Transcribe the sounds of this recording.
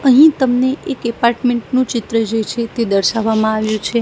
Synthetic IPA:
əɦĩt̪əmneʔekɛpaɾʈmeɳʈnũt͡ʃɪt̪ɾəd͡ʒet͡ʃʰet̪ed̪əɾʃaʋːamãaʋjũt͡ʃʰe

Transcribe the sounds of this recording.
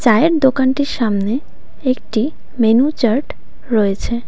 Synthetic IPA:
t͡ɕaeeɾd̪okanʈiɾʃamne | ek̚ʈi | menut͡ɕəɾʈ | ɾɔet͡ɕʰe

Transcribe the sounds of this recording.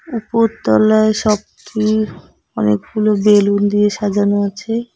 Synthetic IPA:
upoɾt̪ɔ̰laeʃɔb̚ki | ɔnḛkɡulobelund̪ieʃad͡ʒʱanoat͡ɕʰe

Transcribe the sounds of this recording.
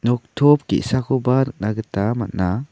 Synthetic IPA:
nɔk̚tʰɔp̚kḭʔsakɔbanɯk̚naɡɯtama̰ʔna

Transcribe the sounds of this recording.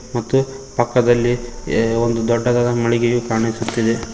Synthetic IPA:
mɐt̪ːupɐkːɐd̪ɐlːiond̪ud̪ɔɖːɐd̪aːd̪ɐmɐɭiɡejukaːɳisut̪ːid̪e̞

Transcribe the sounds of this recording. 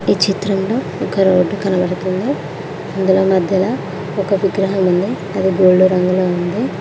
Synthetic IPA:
iːt͡ʃit̪ɾɐmloː | ɔkɐɾoːɖːukɐnɐbɐɽɐt̪und̪i | ɐnd̪ulo̞ːmɐd̪ʱjɐlaː | ɔkɐʋiɡɾɐɦɐmund̪i | ɐd̪iɡoːɭːuɾɐŋɡuloːund̪i

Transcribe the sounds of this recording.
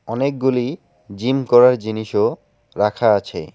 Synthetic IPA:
ɔnek̚ɡuli | d͡ʑimkɔɾaɾd͡ʑiniʃo | ɾakʰaat͡ɕʰḛ

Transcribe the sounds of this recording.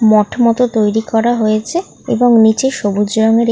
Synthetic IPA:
mɔʈʰmɔt̪ot̪ojɾikɔɾaɦoet͡ɕʰe | ḛboŋnit͡ɕeʃobud͡ʑɾɔŋeɾ

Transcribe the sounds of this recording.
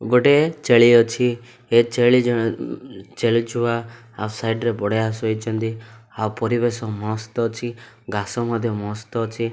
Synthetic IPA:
ɡoʈet͡ʃeɭijɔt͡ʃʰi | et͡ʃeɭi | t͡ʃeɭid͡ʒʰua | a̰wsajɖɾepɔɽejasɔit͡ʃʰɔnt̪i | awpɔɾibesɔmɔ̃st̪ɔt͡ʃʰi | ɡasɔmɔd̪ʱjɔmɔ̃st̪ɔt͡ʃʰi

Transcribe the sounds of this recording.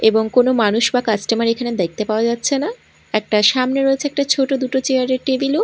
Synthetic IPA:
eboŋkonomanuʃbakasʈemaɾekʰaned̪ejk̚ʰt̪epaoad͡ʑatːɕʰena | ɛk̚ʈaʃamneɾoet͡ɕʰeɛk̚ʈat͡ɕʰoʈod̪uʈot͡ɕeaɾeɾʈebilo

